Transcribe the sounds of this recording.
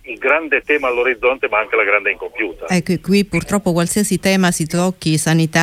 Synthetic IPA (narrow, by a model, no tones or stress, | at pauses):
ilɡɾand̪et̪ɛːmalːoɾid̪zːɔnt̪emaaŋk̟elaɡɾand̪eiŋkompjuːt̪aɛkːekːwipːurt̪ɾɔpːokwalsiasit̪ɛːmasid̪lɔkːisanit̪a